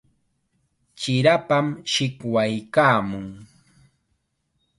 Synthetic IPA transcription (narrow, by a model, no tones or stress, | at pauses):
t͡ʃɪɾapamʃɪkwajkaːmʊŋ